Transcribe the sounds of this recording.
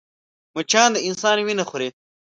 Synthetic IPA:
mut͡ʃʰãːnd̪əɪnsaːnwinɐxuɾe

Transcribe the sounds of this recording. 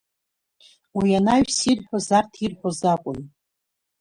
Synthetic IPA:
wijanaɥsirħʷᶣozartʰirħʷᶣozakʷʼʊn

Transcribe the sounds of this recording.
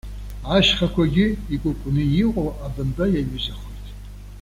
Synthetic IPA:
aʃχakʷʰaɡʲɪikʷʼʊkʷʼʊnɨjiqʷʼoʔabɨnbajaɥɨzaχojtʼ

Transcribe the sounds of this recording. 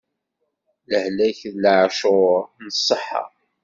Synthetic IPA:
ləhlæçəlːaʕʃʊnəsˤːəħːɑ̰

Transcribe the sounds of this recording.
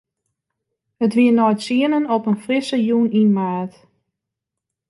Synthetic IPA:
hətʋiənɔjtsiənənɔpənfrɪsəjuninmaːt

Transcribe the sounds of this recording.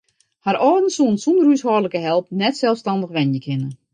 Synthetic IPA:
haɾɔːdən̩suənsundəryəshɔːrləkəɦɛlˠpnɛtsɛlˠfstɑndəxʋɛnjəkʰɪnə

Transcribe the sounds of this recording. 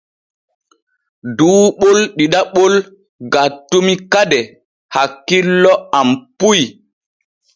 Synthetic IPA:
duːɓolɗiɗaɓol | ɡatːumikadɛ | hakːilːɔampuj

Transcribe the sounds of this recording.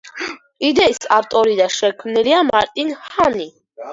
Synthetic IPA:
id̪ɛsaɾt̪ʼɔɾid̪aʃɛkʰmnɛliamaɾt̪ʼinhani

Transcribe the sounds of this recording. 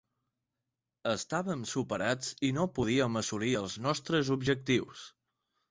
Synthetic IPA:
əst̪aβəmsupəɾat͡sinopuðiəməsuliəlˠznɔst̪ɾəzubʒək̚t̪iws

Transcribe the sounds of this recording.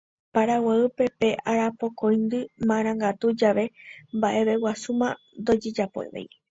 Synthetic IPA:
paɾawaɨpe̞pe̞ʔaɾapo̞kõjnd̪ɨmãɾ̃ãŋɡat̪ud͡ʒaʋe̞mbaʔe̞βe̞wasumã | nd̪o̞d͡ʒe̞d͡ʒapo̰ḛʋḛj

